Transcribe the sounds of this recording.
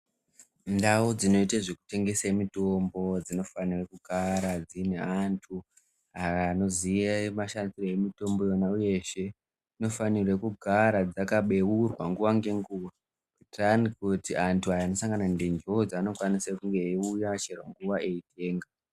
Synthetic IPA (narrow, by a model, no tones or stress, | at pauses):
ndawud͡zino̞itaʐe̞ku̥te̞ŋɡe̞samito̞mbo̞d͡zino̞fanirekuɡʱaɾad͡zineantʰu | ajano̞ziemaʃansiroemito̞mbo̞jonauje̞ʃe̞ | ino̞fanirekuɡʱaɾad͡zakaɓe̞urwaŋɡuʋaŋɡe̞ŋɡuwa | kutranikutiantʰuajano̞saŋɡanandend͡ʒod͡zano̞kwanisakuŋɡe̞iujat͡ʃerwaŋɡuʋaʔe̞itʰe̞ːŋɡa